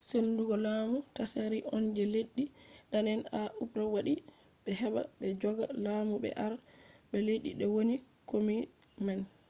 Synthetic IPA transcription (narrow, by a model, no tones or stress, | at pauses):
senduɡɔlaːmutasaɾiʔɔnd͡ʒɛleɗːiɗanɛnaʔupɾawaɗi | ɓɛɦɛɓa̰ɓɛd͡ʒɔɡalamuɓɛ̰ʔaɾɓɛleɗḭɗɛwoni | komiman